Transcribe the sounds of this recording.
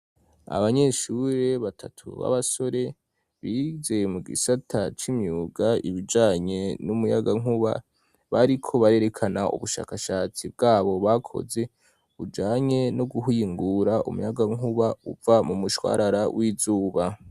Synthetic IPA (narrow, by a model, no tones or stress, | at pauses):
a̰βaɲe̞ʃuɾe̞βatʰa̰tʰṵβa̰βaso̞ɾe̞ | βizeemuɡḭsatʰat͡ʃimɲuːɡaḭβid͡ʒaːɲe̞numujaɡaŋuβa̰ | βaɾikʰo̞βaɾe̞ːɾe̞kʰanaʔṵβuʃa̰ːkaʃaːt͡sib̚ɡaːβo̞βakʰo̞̰ze̞ | ud͡ʒaːɲe̞noɡuɦiŋɡuɾaʔṵmujaɡaŋuβaṵvamumuʃwa̰ːɾaɾawʔiːzuːβa